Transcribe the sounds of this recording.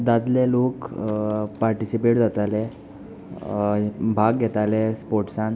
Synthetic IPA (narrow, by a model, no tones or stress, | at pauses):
d̪ad̪lelok | paɾʈisipeʈd͡zat̪ale | bʱaɡɡʱɛt̪alespoɾʈsan